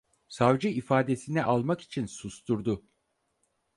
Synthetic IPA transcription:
savd͡ʒɯifaːd̪e̞sinɛʔalˠmaki̥t͡ʃʰinsust̪uɾd̪ʊ

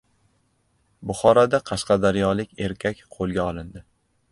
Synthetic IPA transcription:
bʊχɒɾad̪aqʰɑʃqɑd̪aɾjɒlɪkʲe̞ɾkʲʰakʲqʰolˠɡʲaɒlˠɪnd̪ɪ

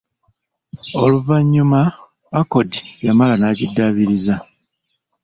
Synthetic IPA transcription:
oluvaɲːumaː | kodiljamalanaːcidːaβiɾiza

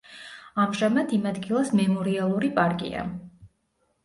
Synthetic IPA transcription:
amʒamad̪imad̪ɡilˠasmɛmɔɾialˠuɾipʼaɾkʼḭa̰

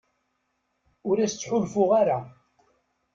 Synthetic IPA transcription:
ʊɾæst͡sːħʊlfʊʁaɾa

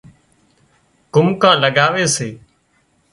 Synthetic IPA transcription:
ɡ̥ʊmkãːləɠaːʋeːseː

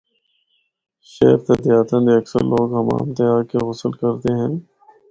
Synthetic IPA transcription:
ʃeːɾt̪əd̪ijaːt̪ə̃nd̪iɐksə̰ɾloːɡɦɐma̰ːmt̪eaːkeɣʊsəlkɐɾt̪eɦɛ̃n

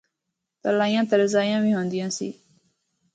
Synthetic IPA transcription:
t̪əlaːjãːt̪əɾəzaːjãːʋĩːɦõːnd̪ɪjãːsḭː

